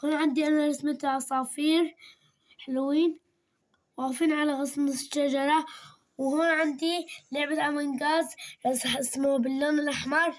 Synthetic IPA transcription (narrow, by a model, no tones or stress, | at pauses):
kuːnʕɪnd̪iʔanaɾɪsmɪt̪ʔɑsˤɑːfiːɾ | ħɪlwiːn | waɣfiːnʕalaɣɑsˤmʃad͡ʒɑɾˤɑ | whoːnʕɪnd̪ilɪʕbat̪ʔamanɡaːzɾɑsˤɑħʔɪsmobɪlːaːnɪlʔaħmɑɾˤ